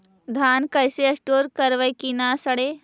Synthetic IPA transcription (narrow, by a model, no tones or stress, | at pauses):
d̪ʱaːnkəjseɐsʈoːɾkəɾʋəjkinasəɽe